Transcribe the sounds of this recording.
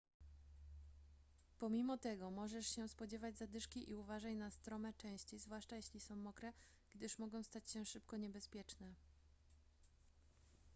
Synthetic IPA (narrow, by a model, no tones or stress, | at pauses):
pɔmʲimɔt̪ɛɡɔmɔʐɛʂɕɛspɔd͡ʑɛvad͡ʑzad̪ɘʂkʲiʔiuvaʐat͡ɕnast̪ɾɔmɛt͡ʂɛ̃w̃ɕt͡ɕizvwaʂt͡ʂajeɕlʲisɔ̃w̃mɔkɾɛ | ɡ̥d̪ɘʂmɔɡɔ̃w̃st̪at͡ɕɕɛʂɘpkɔɲɛbɛspʲjɛt͡ʂnɛ